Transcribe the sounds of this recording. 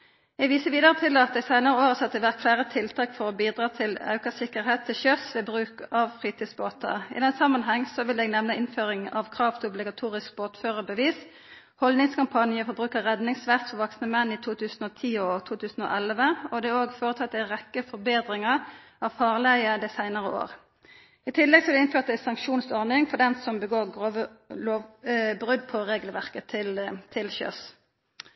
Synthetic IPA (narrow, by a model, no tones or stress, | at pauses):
ɛɡʋiːsəʋiːd̪əʁət̪ʰɪlɑt̪̚d̪ɛɪsæɪnəʁəoːʁəsɑt̪̚ːəʋæʁk̪flæːʁət̪ʰɪlt̪ʰɑːkfɔʁɔbiːd̪ʁɑːt̪ʰɪlɑ̰ʉkəsɪkːəɾɦeːt̪ʰːɪlçœsʋɛbʁʉːkɑʋfʁiːt̪ʰiːd̪sboːt̪ʰə̰ɪ̰d̪ɛnːsɑmːɑnɦɛŋːsɔʋɪlɛɡnɛʋnəʔɪnføːʁɪŋɑʋkʰʁɑːʋt̪ʰɔblɪɡɑt̪ʰuːʁɪsk̚boːʁt̪føːʁəbəʋiːs | hɔlnɪŋskɑmpʰɑnɪəfɔɾbʁʉːkəʁɛd̪nɪŋsʋæʁt̪fɔʋɑksnəmɛnːiːt̪ʰuːt̪ʰʉːsnɔːt̪ʰiːɔt̪ʰuːt̪ʰʉːsn̩o̰ːʔɛlʋəɔd̪ɛoːɡfoːʁət̪ʰɑt̪ːæʁɛkːəfɔɾbeːd̪ʁɪŋəʁ | ɑʋfɑːʁlæɪəd̪æɪsæɪnəʁəʔo̰ːʁ | ɪt̪ʰɪlːɛɡsɔɑd̪ɛɪnføːʁt̪æɪsɑŋkʃuːnsɔʁnɪŋfɔd̪ɛnsɔmbəɡoːʁɡʁoːʋə | loːbʁʉd̪pʰɔʁeːɡəlʋæʁkət̪ʰɪlt̪ʰɪlçø̰ːs